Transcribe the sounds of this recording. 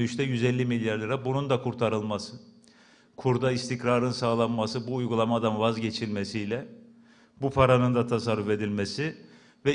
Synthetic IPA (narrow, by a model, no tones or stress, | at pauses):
yʃt̪ʰɛjyzɛlʲːimilʲjaɾlˠɯɾabunund̪akʰuɾt̪ʰaɾɯlˠmasɯ | kʰuɾd̪aist̪ʰicɾaɾɯnsaːlˠanmasɯbuːjɡulˠamad̪anvazɟe̞t͡ʃʰilʲmesijlʲɛ | bupʰaɾanɯnd̪at̪ʰasaɾːufe̞d̪ilʲmesi | vɛ